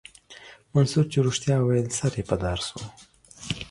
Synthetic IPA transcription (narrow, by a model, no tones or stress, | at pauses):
mansuɾt͡ʃeɾuʂt̪jɑwajlsaɾepad̪ɑɾso